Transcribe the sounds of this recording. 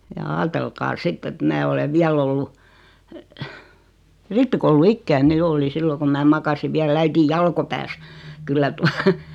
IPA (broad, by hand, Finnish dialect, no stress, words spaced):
jɑ ɑːtelkɑː sitː et mæː oleʋ ʋiæl olːu ripːikouluikːæine jo oli silːo kum mæː mɑkɑsiʋ ʋiæl æitij jɑlkopæːs kylːæ tuɑ